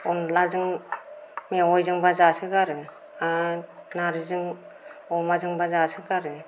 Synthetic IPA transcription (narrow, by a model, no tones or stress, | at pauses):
ɔnlazɯŋ | miaɔjzɯŋbazasɯɡaɾɯ | anaɾizɯŋ | ɔmazɯŋbazasɯɡaɾɯ